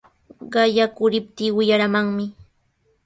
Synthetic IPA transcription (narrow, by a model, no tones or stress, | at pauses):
ɢɑjakʊɾɪp̚t̪iːwɪjaɾamaŋmɪ